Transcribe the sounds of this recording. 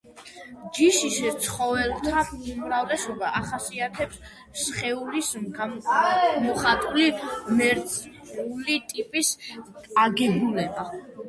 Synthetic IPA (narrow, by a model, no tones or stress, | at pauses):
d͡ʒiʃist̪sʰχɔvɛlˠt̪ʰaumɾavlɛsɔbaʔaχasiat̪ʰɛps | sχɛulis | mɔχat̪ʼulimɛɾt̪sʼ | ulit̪ʼipʼiskʼaɡɛɡulɛba